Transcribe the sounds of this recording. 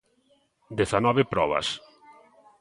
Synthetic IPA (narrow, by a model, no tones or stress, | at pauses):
d̪eθanɔβepɾɔβɐ̰s